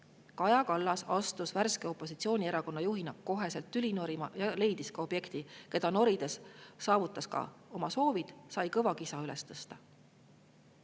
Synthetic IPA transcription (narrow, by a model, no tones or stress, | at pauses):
kɑjɑkɑlːɑsɑst̪usværskeo̞pːˑo̞sit̪sio̞ːnʲieɾɑko̞nːɑjuɦinɑkkːo̞ɦe̞se̞lt̪ːylʲino̞ɾimɑ̰jɑle̞jd̪̥iskɑo̞b̥je̞kt̪ike̞d̪̥ɑno̞ɾid̪̥e̞sːɑːvut̪ˑːɑskɑ̰o̞mɑso̞ːvid̪̥sɑjkɤvɑkisɑylɛst̪ɤst̪ɑ